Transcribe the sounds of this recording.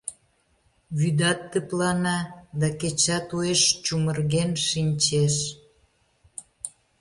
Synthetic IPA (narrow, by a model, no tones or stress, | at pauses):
βyd̪ɑt̪ːəplɑnɑd̪ɑket͡ɕɑt̪ueʃt͡ɕumərɣenʃinʲt͡ɕeʃ